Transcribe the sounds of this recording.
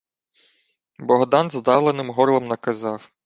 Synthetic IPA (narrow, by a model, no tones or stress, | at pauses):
bɔɦd̪ɑnzd̪ɑwlˠenɪmɦɔrlˠɐmnɐkɐzɑw